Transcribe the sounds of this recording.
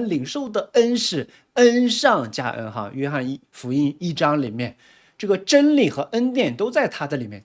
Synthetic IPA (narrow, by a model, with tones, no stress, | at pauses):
nli˨˩ŋʂo˥˩ʊd̪ə˩ə˥nʂɻ̩˥˩ | ə˥nʂɑ˥˧ŋt͡ɕja̰˥ʔə̰˥nxɑ̰˥˧ɥɛ˥xa˥˧n˥˧fu˧˥i˥ni˥˩ʈ͡ʂɑ˥ŋli˨˩mjɛ˥˧n | ʈ͡ʂɤ˥˩ɡə˩ʈ͡ʂə˥nli˨˩xɤ˧˥ʔə˥nt̪jɛ˥˩nt̪o˥ʊt͡sa˥˩ɪt̪ʰa˥d̪ə˨li˨˩mjɛ˥˧˩